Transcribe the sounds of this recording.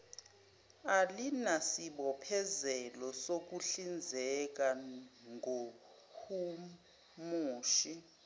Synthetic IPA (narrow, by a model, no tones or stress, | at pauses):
alinasiɓɔpʰɛzɛlɔsok̬uɬind͡zʱɛk̬aŋʱo | hu | muːʃi